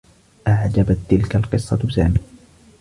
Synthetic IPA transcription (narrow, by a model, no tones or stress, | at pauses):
ʔaʕd͡ʒabat̪ːɪlkalqɨsˤːɑ̰sa̰ːmiː